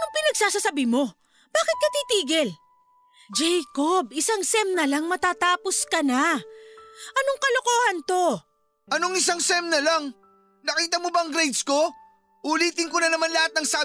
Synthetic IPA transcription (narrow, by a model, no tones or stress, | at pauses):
ɐnoŋpɪnɐɡsaːsasɐbimo̞ | b̥aːkɪt̪̚kɐt̪iːt̪iːɡɛl | d͡ʒɛjkob̚ɪsaŋsɛmnɐlɐŋmɐt̪aːt̪aːposkɐna | ʔɐno̞ŋkɐlokoːhɐnt̪o̞ | ʔɐnoŋɪsaŋsɛmnɐlaŋ | nɐkiːt̪ɐmobɐɐŋɡɾɛjd̪sko̞ | ʔʊliːt̪ɪnkonɐnɐmanlɐhat̪̚nɐŋsaː